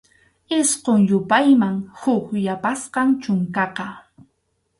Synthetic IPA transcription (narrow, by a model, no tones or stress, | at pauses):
ɪsqoŋjʊpajmaŋhʊkjapasqɑŋt͡ʃʊŋkɑqɑ